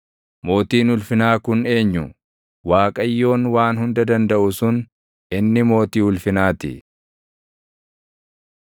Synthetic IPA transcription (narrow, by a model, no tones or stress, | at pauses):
mo̞ːt̪iːnʊlfɪnaːkʊne̞ːɲːʊ | waːkʼɐjːo̞ːnwaːnhʊnd̪ɐd̪ɐnd̪ɐʔʊsʊn | ɪnːɪmo̞ːt̪iːhʊlfɪnaːt̪ɪ̰